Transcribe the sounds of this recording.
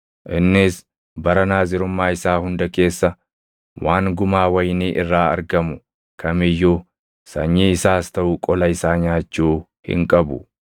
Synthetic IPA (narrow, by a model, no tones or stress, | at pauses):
ʔɪnːɪs | bɐɾɐnaːzɪɾʊmːaːɪsaːhʊnd̪ɐke̞ːsːɐ | waːŋɡʊmaːwɐjniːʔɪrːaːɐ̰ɾɡɐmʊ | kʰɐmɪjːuː | sɐ̰ɲːiːɪsaːst̪ɐʔʊkʼɔlɐɪsaːɲaːt͡ʃːuː | hɪ̰ŋkʼɐbʊ̰